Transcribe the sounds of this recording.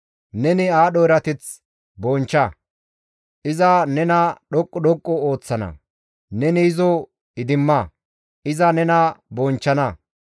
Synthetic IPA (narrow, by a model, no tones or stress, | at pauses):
nɛnɪaːɗɔɪɾɐt̪ɪt͡s | bɔnt͡ʃːɐ | ʔɪzɐnɛnɐɗɔkʼːɔɗɔkʼːɔo̞ːt͡sːɐnɐ̰ | nɛnɪɪzɔ | ɪd̪ɪmːɐ | ʔɪzɐnɛnɐbɔnt͡ʃːɐnɐ